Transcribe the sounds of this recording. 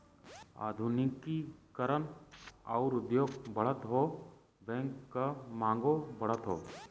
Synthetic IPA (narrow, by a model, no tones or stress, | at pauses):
a̰ːd̪ʱunɪkikəɾənɔʊɾʊd̪joːɡbəɽ̤ət̪ɦoː | bɛ̃ːŋkkəmãːŋɡobəɽ̤ət̪ɦoː